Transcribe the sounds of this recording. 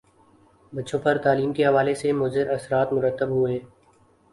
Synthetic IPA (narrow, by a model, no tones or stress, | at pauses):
bɐtːʃʰõpɐɾt̪aːliːmkeɦɐʋaːlesemʊzɪɾɐsɾaːt̪mʊɾət̪ːəbɦʊẽː